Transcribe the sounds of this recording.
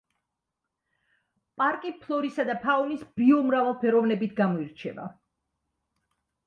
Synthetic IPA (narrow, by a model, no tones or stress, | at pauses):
pʼaɾkʼipʰlˠɔɾisad̪apʰaɔnisb̥ɾiɔmɾavalˠpʰɛɾɔvnɛbit̪ʰɡamɔiɾt͡ʃʰɛ̰va̰